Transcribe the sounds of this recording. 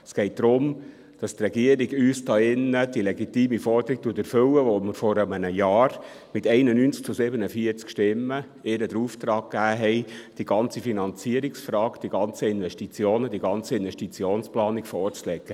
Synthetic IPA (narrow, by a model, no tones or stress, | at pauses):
əsɡ̥ɛɪt̚d̥ɾʊm | d̥ɑst̪rɛɡiəɾiɡyːstɑːɪnːəd̥ilɛɡit̪iːmifɔɾd̥̪əɾik̚tuːətɛɾfɵwəʋoməɾfɔɾəmənəjɑːɾ | mɪt̪ɛɪnənynt͡sk̚t͡susɪbənəfiəɾt͡skʃtɪmːə | ɪɾəd̪əɾuːft̪ɾɑːkkːæːɦɛɪd̥iɡɑnt͡sifinɑnt͡siəɾiksfɾɑːkd̥̪iɡɑnt͡səɪnʋɛʃtit͡sjoːnədiɡɑnt͡səɪnvɛʃtit͡sjoːnsplɑːnikfɔɾt͡slɛɡ̥ə